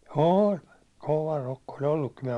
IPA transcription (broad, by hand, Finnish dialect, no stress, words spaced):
oːlʲ koʋɑ rokːo ol olːukːim minæ̆